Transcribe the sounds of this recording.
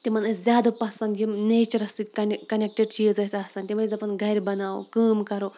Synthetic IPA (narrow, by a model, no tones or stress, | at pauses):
t̪imɐnɐzʲjaːd̪opɐsɐnd̪jineːt͡ʃɐɾɐst̪it̪ʲkɐnkɐnʲek̚ʈeɖ̚tʰiəzɐsʲɐːsɐnt̪ʲimɐzɐpɐnɡʱɐɾʲbɐnaːo̰kəːmkɐɾoː